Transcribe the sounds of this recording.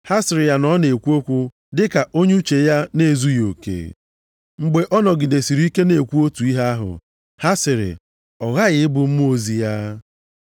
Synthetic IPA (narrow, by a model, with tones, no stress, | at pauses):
ha˦sɪ˨ɾɪ˨ja˨nɔ˦ne˨kʷu˦o˦kʷu˦ | dɪ˦ka˨ʔo˦ɲ˦u˦t͡ʃe˨ja˦ne˦˨zu˦jo̰˨kḛ˨ | ŋ͡m̩˨ɡ͡be˨ʔɔ˦nɔ˨ɡɪ˨de˨si˨ɾi˦i˦ke˦ne˨kʷu˦o˦tu˨i˦ɦa˦a˦ɦʊ̰˨ | ha˦sɪ˨ɾɪ̰˨ | ɔ˨ɣa˦ɣɪ˨˦ɪ˦bʊ˨m̩˦mu˦o˨zi˨ja˦